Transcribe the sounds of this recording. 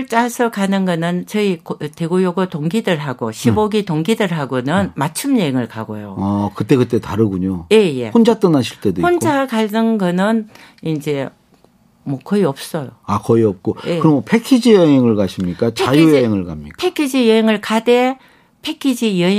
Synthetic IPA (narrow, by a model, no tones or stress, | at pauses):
ɭt͡ɕ͈asʰʌkanɯnɡʌnɯnt͡ɕʌikte̞ɡojoɡotoŋɡidɯɭɦaɡoɕʰiboɡitoŋɡidɯɭɦaɡonɯnmat͡ɕʰɯmjʌɦeŋɯɭkaɡo̰joakɯt͈e̞kɯt̬͈e̞taɾɯɡuɲoje̞je̞̰hond͡ʑat͈ɯnaɕʰiɭt͈ʰedohond͡ʑakanɯnɡʌnɯn | ind͡ʑe̞ | mwʌkʌiʌp̚s͈ʌjo̰akʌiʌp̚k͈oeɯɾʌmopʰekʰid͡ʑijʌɦeŋɯɭkaɕʰimɲik͈at͡ɕajujʌɦeŋɯɭkamɲḭkpʰekʰid͡ʑijʌɦeŋɯɭkade | pʰe̞kʰid͡ʑijʌɦe